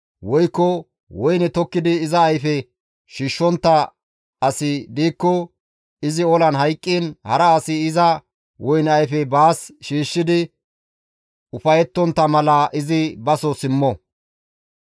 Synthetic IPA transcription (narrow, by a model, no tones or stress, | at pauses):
wɔjkːɔ | wɔjnɛt̪ɔkːɪd̪ɪːzɐːjfɛ | ʃiːʃːɔnt̪ːɐ | ɐsɪd̪iːkːɔ | ɪzɪɔlɐnɦɐjkʼːiːnhɐ̰ɾɐːsɪɪzɐ | wɔjnɐjfɛbaːsʃiːʃːɪd̪ɪ | ʊfɐjɛt̪ːɔnt̪ːɐmɐlɐʔɪzɪbɐsɔsɪmːɔ